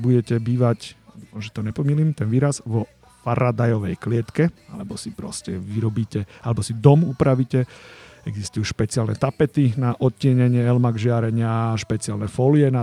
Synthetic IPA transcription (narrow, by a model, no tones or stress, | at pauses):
buɟɛcɛbiːʋacʒɛt̪ɔɲɛpɔmilimt̪ɛnʋiːɾazʋɔ | faɾad̪ajɔʋɛjklɪɛt̪kɛa̰lɛbɔsipɾɔ̰scɛʋiɾɔbiːcɛalɛbɔsid̪ɔmupɾaʋicɛɛɡzist̪ujuʃpɛt͡sɪalnɛt̪apɛt̪inaʔɔt̪̚cːɪɛɲɛɲɪɛɛlmaɡʒɪaɾɛɲɪaʃpɛt͡sialnɛfɔljɛna